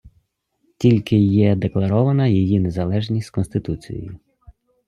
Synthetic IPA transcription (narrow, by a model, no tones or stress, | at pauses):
tʲilʲkɪjɛd̪eklˠɐɾɔʋɐnɐjijine̞zɐlˠɛʒnʲisʲkɔnst̪ɪt̪ut͡sʲḭjḛjʊ